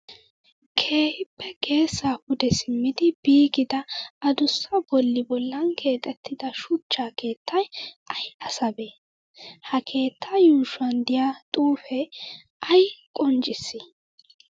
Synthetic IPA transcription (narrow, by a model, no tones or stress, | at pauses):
kʰe̞ːhɪpːɛɡe̞ːsːaːpʊd̪ɛsɪmːɪd̪ɪbiːɡɪd̪ɐɐd̪ʊsːɐbɔlːɪbɔlːɐnkʰe̞ːt̪ʼɛt̪ʰːɪd̪ɐʃʊt͡ʃːaːke̞ːt̪ʰːɐjʔɐjɐsɐbeː | hɐkʰe̞ːt̪ʰːɐjuːʃɐnd̪ɪjat̪ʼuːfɛ | ʔɐjkʼɔnt͡ʃʼɪsːɪ